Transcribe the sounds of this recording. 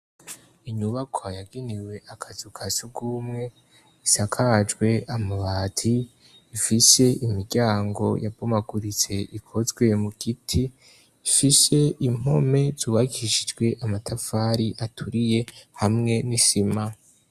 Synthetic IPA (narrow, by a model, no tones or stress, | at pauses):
iɲuβakʰajaɡiniwe̞ʔakʰazukʰasuɡuːmŋe̞ | isakʰad͡ʒɡwe̞amaβaːtʰiː | fise̞imiɡɟaːŋɡo̞̰jabomaɡuɾit͡se̞ʔikʰo̞zɡwe̞muɡ̥itʰiː | fise̞im̥ho̞me̞z̥uːβaɡiʃid͡ʒɡwe̞ʔamatʰafaɾiʔatʰuɾije̞hamŋe̞nisima